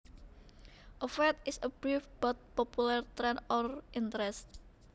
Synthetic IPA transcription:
ʔɔfɛt̪̚ɪsəb̥ɾifb̥ɔt̪̚pɔpulɛrt̪ɾɛnɔrʔint̪əɾɛst̪̚

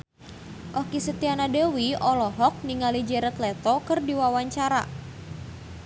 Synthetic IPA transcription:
ʔɔkisət̪ianadewiʔɔlɔɦɔk̚niŋalid͡ʒɛɾət̪lɛt̪ɔkərdiwawaɲt͡ʃaɾa̰

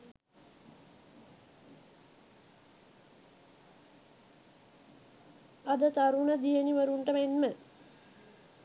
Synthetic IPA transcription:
ɐd̪ət̪aɾunəd̪ijəniʋɐɾuɳʈəmenmə

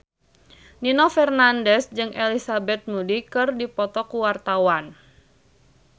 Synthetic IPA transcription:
ninɔfɛrnandɛsd͡ʒɨŋʔelisabɛt̪̚mudikɨrdipɔt̪ɔkuwart̪awan

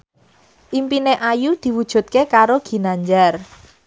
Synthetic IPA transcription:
ʔimpineʔajud̪̥i̤wud̥ʒ̥ṳt̪̚kekaɾoɡ̥i̤naɲd͡ʒar

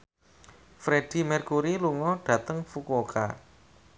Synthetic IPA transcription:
fɾeɖ̥i̤mɛrkuɾiluŋɔɖ̥ä̤t̪əŋfukoka̰

